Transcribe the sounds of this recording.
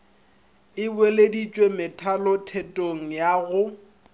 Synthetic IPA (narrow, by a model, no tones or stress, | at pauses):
ɪbweledit͡ʃʼwemɪtʰalɔtʰɛtʼoŋ̩jaɣʊ